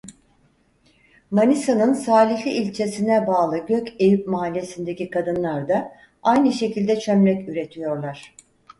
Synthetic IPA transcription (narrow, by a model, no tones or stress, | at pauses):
manʲisanɯnsaːlʲiçlʲiːlʲt͡ʃʰe̞sinɛbaːlˠɯɟøcejip̚maɦalʲːe̞sind̪e̞cikʰad̪ɯnlˠaɾd̪a | ajnɯʃe̞cʰilʲd̪ɛt͡ʃʰø̞mɾɛcyɾe̞t̪ʰijo̞ɾlˠaɾ̝̥